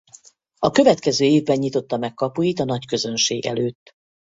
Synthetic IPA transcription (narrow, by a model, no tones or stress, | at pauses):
ɒkø̞vɛt̪kɛzøːeːvbɛɲːɲit̪o̞t̪ːɒmɛkkːɒpujit̪ɒnɒckø̞zø̞nʃeːɡɛ̰løːt̪ː